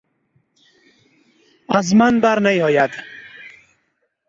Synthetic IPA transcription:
azmanbaɾnajɔjad̪

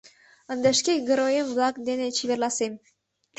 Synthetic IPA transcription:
ə̆nd̪əʃkeɡə̆ɾojəmβlɑkd̪enet͡ɕiβerlɑsem

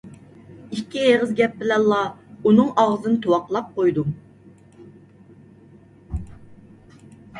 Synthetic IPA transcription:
ikʲʰːieʁəzɡʲɛp̚bɪlɛnllːɑunɨŋɑʁzɨnɨt̪ʰowɑqlˠɑp̚qojd̪u

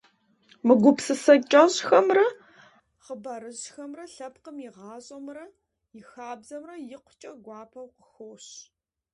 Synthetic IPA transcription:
mɨɡʷʊpsɨsɐt͡ʃʼɐɕxɐmrɐ | χəbɐɾɨʑxɐmrɐɬɐpqəmjɪʁɑːɕʼɐmrɐ | jɪxaːbzɐmrɐjɪqʷʊ̥t͡ʃʼɐɡʷɑːpʰɐwqəxoːɕ

